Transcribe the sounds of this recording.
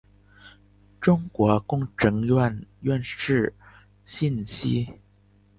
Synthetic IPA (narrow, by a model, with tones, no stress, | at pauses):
ʈ͡ʂʊ˥ŋkwɔ˧˥kʊ˥ŋʈ͡ʂɤ˧˥ŋa˥˧nɥɛ˥˧nʂɻ̩˥˩ | ɕi˥˩nɕi˥